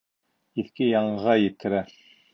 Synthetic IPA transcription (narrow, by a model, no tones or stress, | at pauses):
iθkɘjɑɴʁɑjɘ̆t̪ʰːɘ̆ɾæ